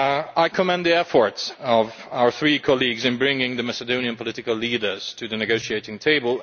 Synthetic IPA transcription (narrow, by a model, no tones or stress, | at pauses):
aɪkʰəmɛ̃nðiɛfɔɹtsʌvaʊə˞θɹikʰɑlˠiɡzɨ̃nbɹɪ̃ŋɪ̃ŋðɨmæsədõʊ̃niɨ̃npʰəlɪɾɨkəlˠliːdə˞z̥tʰɨðɨnɨɡoʊʃieɪɾɪ̃ŋtʰeɪbəlˠ